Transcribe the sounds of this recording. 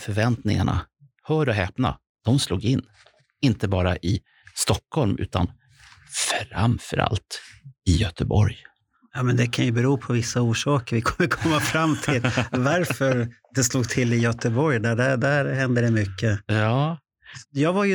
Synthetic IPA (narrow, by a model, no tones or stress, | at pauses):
fœɾvɛnt̪nɪ̰ŋa̰ɳa̰ | hœːɾɔɦɛːpna̰ | d̪̥ɔmsluːɡɪnː | ɪnt̪əbɑːɾaʔɪ | st̪ɔkʰːhɔlmʔʉ̟ːt̪ʰan | fɾa̰mfœɾʔa̰lt̪ɪjœt̪əbɔɾj | jɑːmɛnd̪ɛkʰanjɵbɛɾuːpʰɔvɪsːauːʂɑːkəɾvɪkʰɔmːəɾkʰɔmːafɾamːt̪ʰɪlvaɾfœɾd̪̥ɛsluːɡ̚t̪ʰɪlːɪjœt̪əbɔɾjd̪æɖæd̪æɾhɛnd̪əd̪ɛmʏkːəjɑː | jɑːɡvaɾj